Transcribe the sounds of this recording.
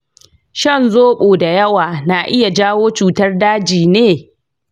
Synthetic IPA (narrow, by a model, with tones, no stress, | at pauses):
ʃɐ˦˨nzoː˦ɓoː˨da˨jɐ˦waː˨na˨ʔɪ˦ja˨d͡ʒaː˦woː˦t͡ʃuː˨tɐ˦rdaː˦d͡ʒiː˨neː˦